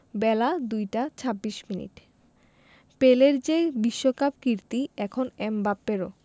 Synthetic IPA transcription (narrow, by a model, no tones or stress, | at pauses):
bɛlad̪ujʈat͡ɕʰabːiʃminḭʈ | peleɾd͡ʑebiʃːokapkiɾt̪iɛkʰonɛmbapːeɾo